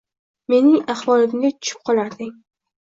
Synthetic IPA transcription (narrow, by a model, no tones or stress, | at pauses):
me̞nɪŋaχwɒlɪmɡʲɪt̪ʰʊ̥t͡ʃʰɪ̥p̚qʰɒlˠaɾd̪ɪŋ